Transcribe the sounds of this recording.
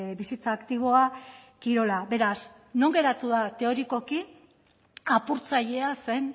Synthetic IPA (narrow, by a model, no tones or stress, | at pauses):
bisit͡saːkt̪iβ̞o̞akiɾo̞labe̞ɾas | no̞ŋɡe̞ɾat̪uð̞at̪e̞o̞ɾiko̞ki | apuɾt͡saʎe̞ase̞n